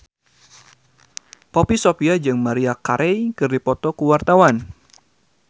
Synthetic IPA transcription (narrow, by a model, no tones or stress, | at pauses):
popisopiad͡ʒɨŋmaɾiakaɾʔɛjkɨrdipɔt̪ɔkuwart̪awan